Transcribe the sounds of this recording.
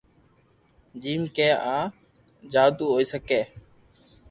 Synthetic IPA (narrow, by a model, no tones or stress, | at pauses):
d͡ʒiːmkẽːʔaː | d͡ʒaːd̪uːɦoːiːsəkeː